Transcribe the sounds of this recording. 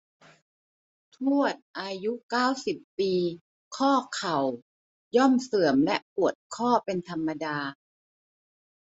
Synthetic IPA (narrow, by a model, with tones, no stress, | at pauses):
t̪ʰu˥˩ət̪̚ʔaː˧ju˦˥kaː˥˩wsi˨˩pːiː˧ | kʰɔː˥˩kʰa˨˩w | jɔ˥˩msɤ˨˩˦əmlɛ˦˥ʔpu˨˩ət̪̚kʰɔː˥˩pe˧nt̪ʰa˧mːa˧daː˧